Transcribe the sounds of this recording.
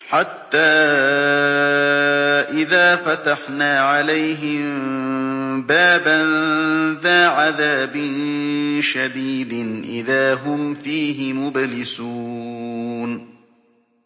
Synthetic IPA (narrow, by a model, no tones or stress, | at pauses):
ħat̪ːaː | ʔɪðaːfat̪aħnaːʕalajɦɪm | baːbanðaːʕaðaːbɪnʃad̪iːd̪ɪnʔɪ̰ðaːɦʊmfiːɦɪmʊblɪsuː | n